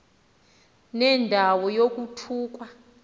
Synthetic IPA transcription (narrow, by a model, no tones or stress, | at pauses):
nɛndʱawɔjok̬ʼutʰuːk̬wa